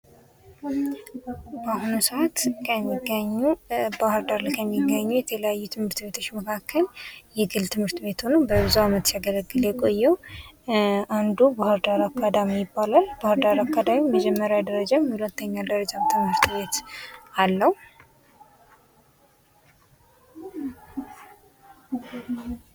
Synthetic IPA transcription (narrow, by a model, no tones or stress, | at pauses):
baɦunusʔat̪kʰəmːiɡəɲːubahɨɾd̪aɾlakʰəmːiɡəɲːujɛt̪ʰələjajːut̪ʰɨmhɨɾt̪βe̞t̪ʰot͡ʃːməkʰakʰːəljɛɡɨlt̪ʰɨmhɨɾt̪be̞t̪honəwbəbzuamət̪siaɡələɡːɨljɛkʼo̞jːɛw | and̪ubahɨɾd̪aɾakʰːad̪amijɪbːalalbahɨɾd̪aɾakːad̪amiməd͡ʒɛmːəɾjawd̪əɾəd͡ʒamhulət̪ːəɲːad̪əɾəd͡ʒaβt̪ʰɨmhɨɾt̪βe̞t̪alːəhu